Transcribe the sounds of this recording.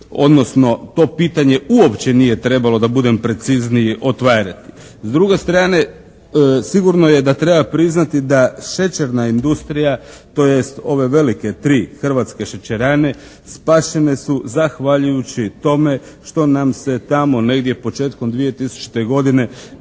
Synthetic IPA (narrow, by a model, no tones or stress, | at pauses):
o̞̰d̪no̞sno̞t̪o̞piːt̪aɲe̞uo̞pt͡ɕe̞nije̞t̪ɾe̞balo̞d̪abud̪e̞mpɾe̞t̪sizniiʔo̞t̪ʋaːɾat̪i̥ | zd̪ɾuɡe̞st̪ɾaːne̞ | siɡuɾno̞je̞d̪at̪ɾe̞bapɾiznat̪id̪aʃe̞t͡ʃeɾnaind̪ust̪ɾijat̪o̞je̞st̪o̞ʋe̞ʋe̞like̞t̪ɾiːxr̩ʋat̪ske̞ʃe̞t͡ɕeɾaːne̞ | spaʃe̞ne̞suzaxʋaʎujut͡ɕit̪o̞me̞ | ʃt̪o̞namse̞t̪amo̞ne̞ɡd̪je̞po̞t͡ʃe̞ːt̪ko̞md̪ʋije̞t̪isu̥t͡ʃi̥t̪e̞ɡo̞d̪ine̞